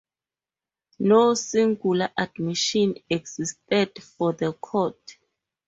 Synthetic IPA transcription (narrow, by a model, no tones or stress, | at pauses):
nosĩŋɡulaʔadmiʃɔ̃nɛɡz̥istɛdfɔðəkʰɔt